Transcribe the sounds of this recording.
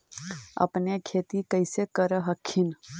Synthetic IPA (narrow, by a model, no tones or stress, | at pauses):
ə̰pnekʰeːt̪ikəjsekəɾəɦəkʰːin